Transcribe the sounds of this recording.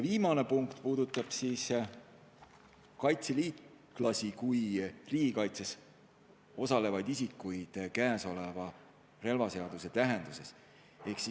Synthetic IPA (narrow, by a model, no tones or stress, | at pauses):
jviːmɑne̞puŋkt̪puːd̪̥ut̪ːˑɑb̥siːs | kɑjt̪seliːt̪ | klɑsikujriːɡ̥ikɑjt̪ses | o̞sɑle̞vɑjd̪isikːˑujd̪̥kæːso̞le̞vɑ | re̞lvɑse̞ɑd̪use̞t̪æɦe̞nd̪̥use̞s | e̞hksi